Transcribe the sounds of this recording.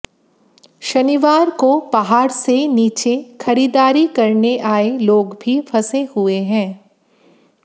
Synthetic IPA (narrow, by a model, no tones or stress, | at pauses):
ʃɐniʋaːɾkobaɦaːɾseniːt͡ʃexʰɐɾiːd̪aːɾikɐɾneʔaːeloːɡbʱifʰɐsehʊeɦɛ̃ː